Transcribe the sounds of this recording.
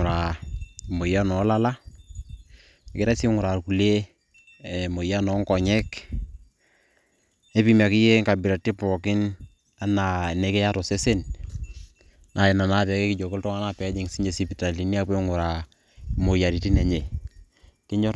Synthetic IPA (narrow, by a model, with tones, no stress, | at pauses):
ɾa˨mo˨ja˦nɔ˨˦la˦la˦ | e˨kɪ˦ɾa˦si˦ŋʊ˨ɾa˨ɾku˨le˦˨ | mo˨ja˦nɔ˨˦ŋkɔ˨ɲɛ˦k | e˦pi˨ma˨kɪ˦je˦ŋka˨bɪ˨ɾa˨ti˦pɔ˨kɪ˦n | a˨˦na˨ne˨˦ke˦ja˦tɔ˨se˦se˦n | nʔa˨ɛ˨na˨na˦tɛ˨ke˦kɪ˦d͡ʒo˨ko˦ltɔ˦ŋa˦na˦pɛ˨˦d͡ʒi˨ŋsi˦e˨si˦pi˨ta˨li˨ni˦a˦pe˦ŋʊ˨ɾa˨ | mo˨ja˨ɾi˨ti˦nɛ˨ɲe˨ | kɪ˦ɲɔ˦ɾ